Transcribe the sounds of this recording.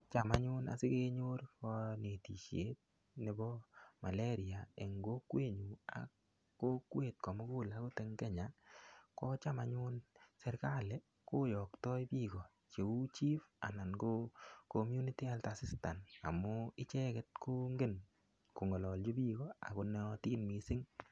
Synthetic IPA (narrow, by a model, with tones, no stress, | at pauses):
t͡ʃa˨maɲʊ˦na̰˨sɪ˦ke˦ɲo˦ɾkɔ˦ne˨ti˨ʃe˦t̚ | ne˦bɔ˦ma˨le˦ɾi˨a˨ḛ˨ŋɡo˦kwe˦˨ɲu˨a̰˨ | kːo˦kwe˨t̚ko˨mʊ˦ku˦la˦ko˦te˦ŋkɛ˦ɲa˨kɔ˦t͡ʃa˦ma˨ɲʊ˦nsɛ˦ɾka˦le | ko˦jɔ˨ktɔ˦jpiː˦ɡɔ˨ | t͡ʃe˨u˦t͡ʃi˦fa̰˨na˨nɡo˦komju˦ni˦ti˦altasi˦sta˨na̰˨mo˦ɪ˦t͡ʃɛ˦kɛt̚ko˦ŋɡe˦n | ko˨ŋɔ˨lɔ˨ld͡ʒo˦bi˦ɣɔ˦a̰˨ko˦nɔtiː˦nmisɪ˦ŋ